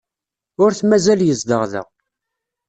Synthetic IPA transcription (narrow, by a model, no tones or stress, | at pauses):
ʊɾθmæzæljəzd̪əʁðə̰ʁ